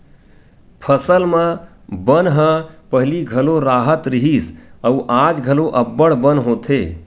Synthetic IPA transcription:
pʰəsəlmẽ | bənɦə̃pəɦliɡʱəloɾaːɦət̪ɾiɦisəuʔad͡ʒɡʱəloʔəbːəɽbənɦoːt̪ʰe

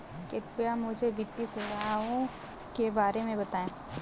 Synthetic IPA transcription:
kepijamʊd͡ʒʱebɪt̪ːiseɾɐɦaõ | kebaːɾemẽbɐt̪aːẽː

